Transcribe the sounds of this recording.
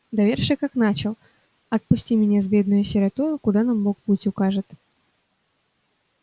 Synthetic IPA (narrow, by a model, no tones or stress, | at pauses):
d̪ɐvʲerʂɨkaknat͡ɕɪlˠ | ɐt̪̚pʊsʲtʲimʲɪnʲazbʲe̞d̪̚nʊjʊsʲɪɾʲɐt̪uɾʊkʊd̪anamːok̚pɨtʲʊkaʐɨt̪